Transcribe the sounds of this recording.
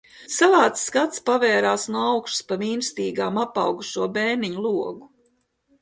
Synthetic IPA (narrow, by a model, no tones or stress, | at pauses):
savaːt̪sːkat̪spavɛːɾaːsnuɔawkʃtu̥spamiːnst̪iːɡaːmapɑwɡuʃuɔbɛːniɲulˠuɔɡu